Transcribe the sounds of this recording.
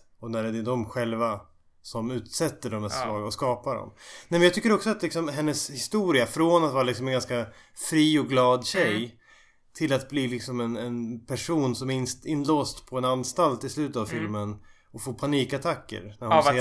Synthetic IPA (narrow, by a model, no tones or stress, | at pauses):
ɔnæɾɛd̪ɛd̪ɔmɧɛlva | sɔmʉ̟ːt̪sɛt̪ːəɖɔmɛsvɑːɡaɔskɑːpaɖɔ̰mnɛmɛnjɑt̪ʏkːəɾɔksɔat̪lɪksɔmɦɛnːəshɪst̪uːɾɪafɾonat̪vɑːɾalɪksɔmɛnɡanska | fɾiːɔɡlɑːd̪ɕɛj | t̪ʰɪlat̪̚bliːlɪksɔmɛnɛnpʰæʂuːnsɔmɪnloːst̪pʰɔɛnanst̪alt̪ɪslʉ̟ːt̪ət̪avfɪlmən | ɔfoːpʰaniːkat̪ʰakːə̰ɾnæɾhʊ